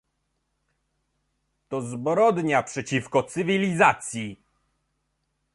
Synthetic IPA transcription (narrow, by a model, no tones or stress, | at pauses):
t̪ɔzbɾɔd̪ɲapʂɛt͡ɕifkɔt̪sɘvʲilʲizat̪sʲji